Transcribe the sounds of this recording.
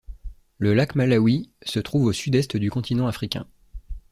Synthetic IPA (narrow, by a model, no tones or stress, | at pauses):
ləlakmalawisət̪χuvosyd̪ɛst̪əd̪ykɔ̃t̪inɑ̃afχikʲɛ̰̃